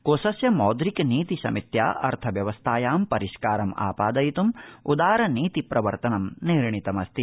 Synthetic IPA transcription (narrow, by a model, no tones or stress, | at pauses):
koːsɐsjɐmɔːd̪ɾikniːt̪isɐ̰mit̪ja̰ːʔɐ̰ɾt̪ʰɐʋjɐʋɐst̪ʰaːjaːmpɐɾiʃkaːɾɐma̰ːpaːd̪ɐjit̪umud̪aːɾɐniːt̪ipɾɐʋɐɾt̪ɐnɐmniːɾɳit̪ɐmɐst̪i